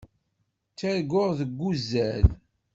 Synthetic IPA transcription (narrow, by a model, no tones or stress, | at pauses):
t͡sːæɾɡʊʁðəɡːuzːæl